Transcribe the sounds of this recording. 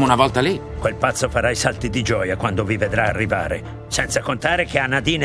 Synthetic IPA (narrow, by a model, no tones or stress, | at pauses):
munavɔlt̪ali | kwelpat̪sːofaɾaisalt̪id̪id͡ʒɔːjakwand̪ovived̪ɾaːrːiva̰ːɾe | sɛnt̪sakont̪aːɾek̟eanːad̪iːn